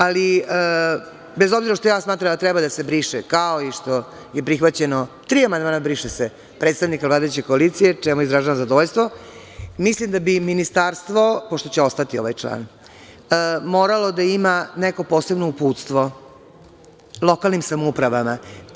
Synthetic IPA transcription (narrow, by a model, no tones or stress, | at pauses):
aliə | bezobziɾaʃt̪ojaːsmaːt̪ɾamd̪at̪ɾɛbad̪asebɾiːʂekaoiʂt̪o̞ | je̞pɾixʋat͡ɕe̞not̪ɾiːamand̪maːnabɾiʂese | pɾet̪st̪aʋnikavlaːd̪ajut͡ɕeko̞alit̪sijet͡ʂɛmujeizɾaʒenazad̪oʋoʎʲst̪ʋo̞ | mislimd̪abiminist̪aːɾst̪ʋo̞poʂt̪o̞t͡ɕeo̞st̪at̪io̞̰ʋajt͡ʂla̰ːn | moːɾalo̞d̪aimaneko̞po̞ːse̞bnoupuːt̪st̪ʋo̞ | lˠo̞kalˠnimsamoupɾaʋama